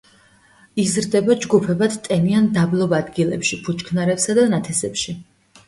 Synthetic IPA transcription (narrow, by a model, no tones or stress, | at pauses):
izɾd̪ɛbad͡ʒɡupʰɛbad̪̥t̪ʼɛniand̪ablˠɔbad̪ɡilɛ̰pʃipʰut͡ʃʰkʰnaɾɛpsad̪anat̪ʰɛsɛpʃi